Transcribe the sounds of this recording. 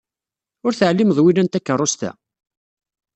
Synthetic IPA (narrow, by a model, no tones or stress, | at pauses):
ʊɾθəʕlːiməðˤwilænt̪ækːərˤːʊst̪æ̰